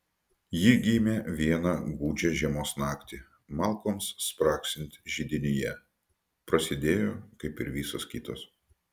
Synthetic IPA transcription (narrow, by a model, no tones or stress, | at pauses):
jiːɡʲiːmʲeːʋʲiɛnɑːɡuːd͡ʒʲɛʒʲiɛmoːsnɑːkt̪ʲi | mɑːˑlˠkoːmsːpɾɑːksʲɪnʲt̪ʲʒʲid̪ʲɪnʲɪjɛ | pɾɐsʲɪd̪ʲeːjoːkɐɪpɪɾʋʲiːsoskʲiːt̪o̰ːs